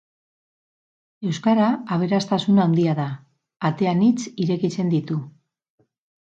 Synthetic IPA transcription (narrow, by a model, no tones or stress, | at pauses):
e̞wskaɾaːβ̞e̞ɾast̪asunawnd̪iaðaː | t̪e̞anit͡siɾe̞kit͡se̞nd̪it̪u